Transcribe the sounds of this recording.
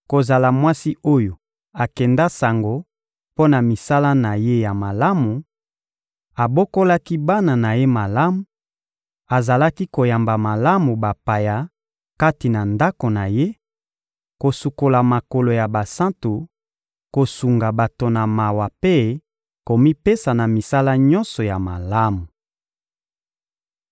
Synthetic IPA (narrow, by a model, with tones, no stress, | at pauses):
ko˨za˨la˨mwa˦si˦o˦jo˨ | a˨kɛ˨nda˦sa˨ŋɡo˦ | po˦na˨mi˨sa˦la˦na˨je˦ja˨ma˨la˦mu˨ | a˨bo˦ko˦la˦ki˦ba˦na˨na˨je˦ma˨la˦mu˨ | a˨za˨la˦ki˦ko˨ja˨mba˨ma˨la˦mu˨ba˨pa˨ja˨ | ka˦ti˨na˨nda˦ko˨na˨je˦ | ko˨su˨ko˨la˨ma˨ko˨lo˨ja˨ba˨sã˦ntu˨ | ko˨su˨ŋɡa˨ba˨to˨na˨ma˨wa˨pe˦ | ko˨mi˦pe˦sa˨na˨mi˨sa˦la˦ɲɔ̃˦nsɔ˨ja˨ma˨la˦mu˨